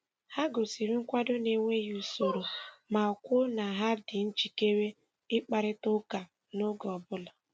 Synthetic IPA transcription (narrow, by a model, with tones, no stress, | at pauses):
ha˦ɡo˨si˨ɾi˦ŋ̩˦kʷa˦dʊ˦ne˨ŋʷe˦ju˨so˨ɾo˨ma˨ɔ˨kʷʊ˦na˨ɦa˦dɪ˨n̩˦t͡ʃi˨ke˦ɾe˦ | ɪ˦k͡pa˨ɾɪ˦tʊ˦ka˨ | nʊ˦ɡɔ˨bʊ˦la˨